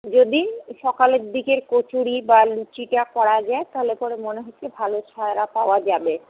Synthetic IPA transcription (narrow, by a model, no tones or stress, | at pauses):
d͡ʑod̪iʃɔkaleɾd̪ikeɾkot͡ɕuɽibalut͡ɕiʈakɔɽad͡ʑaet̪aɦolepɔɽemoneɦoːebʱalot͡ɕʰaeɾapaoad͡ʑabe